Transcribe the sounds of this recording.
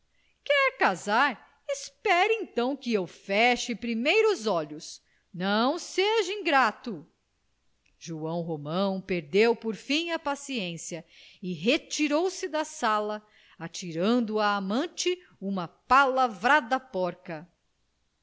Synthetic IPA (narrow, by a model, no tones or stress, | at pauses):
kɛɾkazaɾ | ɪspɛɾẽnt̪ɐ̃w̃kɪewfɛʃɪpɾimejɾʊzɔʎʊs | nɐ̃w̃seʒɐĩɡɾat̪ʊ | ʒuɐ̃w̃ɦomɐ̃w̃peɾd̪ewpoɾfĩj̃ɐpasiẽsiɐɪɦet͡ʃiɾowsɪd̪ɐsalɐ | at͡ʃiɾɐ̃nd̪ʊaːmɐ̃nt͡ʃɪ | ũmɐpalavɾad̪ɐpɔɾkɐ